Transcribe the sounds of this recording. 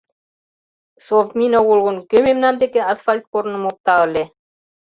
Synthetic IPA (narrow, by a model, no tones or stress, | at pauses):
sovmʲinowulɣŭnkømemnɑmd̪ekeasfalʲt̪̚koɾnɤ̆mop̚t̪ɑɤ̆lʲe